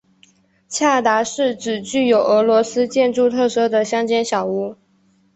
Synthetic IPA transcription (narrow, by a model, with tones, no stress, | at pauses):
t͡ɕʰja˥˩t̪a˧˥ʂɻ̩˥˩ʈ͡ʂɻ̩˨˩t͡ɕy˥˩jo˨˩ʊʔɤ˧˥lwɔ˧˥sɹ̩˥t͡ɕjɛ˥˧nʈ͡ʂu˥˧t̪ʰɤ˥˩ʂɤ˥d̪ə˨ɕjɑ˥ŋt͡ɕjɛ˥nɕjɑ˨˩ʊu˥˩